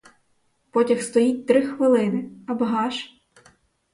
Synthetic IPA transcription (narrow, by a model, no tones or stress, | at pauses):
pɔtʲɐxst̪ɔjit̚ʲt̪ɾɪxʋɪlˠɪnɪɐbɦɑʃ